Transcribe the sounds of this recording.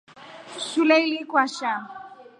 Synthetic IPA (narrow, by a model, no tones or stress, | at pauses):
ʃulɛilikwaʃa